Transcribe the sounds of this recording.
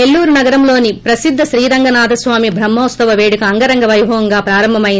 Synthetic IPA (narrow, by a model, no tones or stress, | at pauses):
elːuːɾunɐɡɐɾɐmlo̞ːnipɾɐsid̪ʱːɐʃɾiːɾɐŋɡɐnaːd̪ʱɐsʋaːmibʱɾɐmːɔːst̪ɐʋɐʋeːɽukɐɐŋɡɐɾɐŋɡɐʋɐjbʱɐʋɐŋɡaːpɾaːɾɐmbʱɐmɐjin